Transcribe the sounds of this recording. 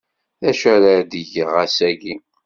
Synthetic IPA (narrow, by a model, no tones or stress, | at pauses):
θæʃæɾəɾd̪əʝəʁæsæʝi